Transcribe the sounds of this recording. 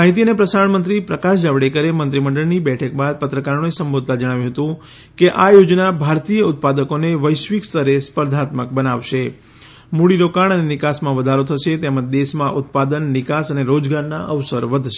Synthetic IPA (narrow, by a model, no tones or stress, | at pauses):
maɦit̪iənepɾəsaɳmənt̪ɾipɾəkaʃd͡ʒaʋɽekəɾemənt̪ɾiməɳɖəɭnibɛʈʰək̚bad̪̚pət̪ɾəkaɾoesəmbod̪̚ʱt̪ad͡ʒəɽ̃aʋjũɦət̪ũ | keʔajod͡ʒnabʱaɾt̪ijəʊt̪̚pad̪əkoneʋəjʃʋikst̪ʰəɾespəɾd̪ʱat̪mək̚bənaʋʃe | muɽiɾokaɳ̃ənenɪkasmãʋəd̪ʱaɾot̪ʰəʃet̪eməd͡ʒd̪eʃmãʔʊt̪̚pad̪ənːɪkasəneɾod͡ʒɡaɾnaʔəʋsəɾʋəd̪ʱʃe